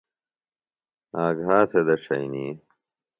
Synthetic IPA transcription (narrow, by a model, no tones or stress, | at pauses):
aːɡɦaːt̪ʰɐd̪ɐʂɐjni